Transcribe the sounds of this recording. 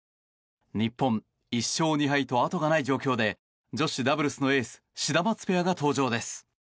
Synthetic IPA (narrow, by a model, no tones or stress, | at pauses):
ɲ̟ipːõ̞n | iɕːo̞ːɲ̟iɦait̪o̞at̪o̞ɡanaid͡ʑo̞ːkʲo̞ːd̪e̞ | d͡ʑo̞ɕid̪abɯ̟ɾɯ̟sɨno̞e̞ːsɨ̥ɕid̪amat͡sɨ̥pe̞aɡat̪o̞ːʑo̞ːd̪e̞sɨ̥